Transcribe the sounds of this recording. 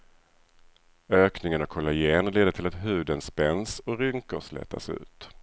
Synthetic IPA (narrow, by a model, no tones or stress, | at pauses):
øːknɪŋənɔkʰɔlajeːnleːd̪əʈʰɪlat̪ɦʉ̟ːd̪ənspɛnsɔɾʏŋkəɾslɛ̰t̪ːa̰sʉ̟̰ːt̪